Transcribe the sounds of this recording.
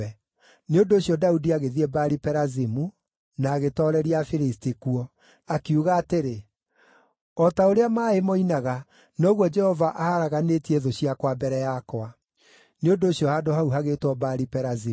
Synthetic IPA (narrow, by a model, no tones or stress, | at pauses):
neondoːɕjɔdaudiaɣeðiɛbaɾipɛɾazimu | naːɣetɔɾɛɾiafiɾistikuɔ | akjuɣaːteɾe | ɔtaoɾeamaːemɔinaɣa | nɔɣwɔd͡ʒɛhɔvaʔahaɾaɣanetiɛðoɕiakwabɛɾɛjakwa | neondoːɕjɔhaːdoɦauɦaɣeːtwɔbaɾipɛɾazi